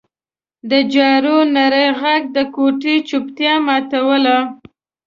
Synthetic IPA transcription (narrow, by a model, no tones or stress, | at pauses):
d̪əd͡ʒɑɾonaɾəjɣaɡ̚d̪əkoʈit͡ʃʊpt̪jɑmɑt̪awəla